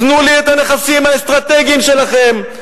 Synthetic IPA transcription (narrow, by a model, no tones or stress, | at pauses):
nuliet̪ane̞χasimhaest̪ʁat̪e̞ɡimʃe̞laχe̞m